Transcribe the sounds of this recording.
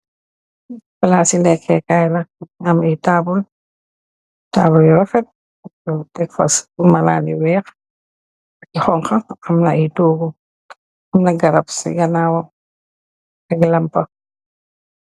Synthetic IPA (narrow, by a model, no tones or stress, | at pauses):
fɐlaːsilɛkʰːɛkajlɐɐmitaːbul | taːbuljɔɾɐfɛt̚ | ɐɔtɛkfɐ̰sumɐla̰ːliwɛːx | ɐkixɔŋxɐɐmnɐʔitoːɡu | ɐmnɐɡɐɾɐpsḭɡɐnawɐ | ɐɡlɐmpɐ